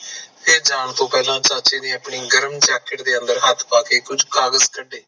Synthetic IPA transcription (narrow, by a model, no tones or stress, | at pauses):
pʰɪɾd͡ʒaːɳt̪õːpɛːlãːt͡ʃaːt͡ʃeːd̪iːəpɳiːɡəɾəmt͡ʃɛːkəʈd̪eːə̃nd̪əɾɦət̪ʰːpaːkeːkʊd͡ʒkaːɡəzkəɖeː